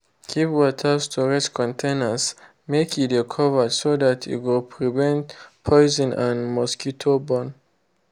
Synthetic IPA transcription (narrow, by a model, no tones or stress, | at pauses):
kʰipwɔtʰəstʰɔɹɛt͡ʃkʰɔ̃ntʰẽnəs | mekʰidekʰɔvədsodatʰḭwɪlpʰɹivɛ̃ntpʰɔɪzɔ̃nãnmɔskitʰobɔ̃n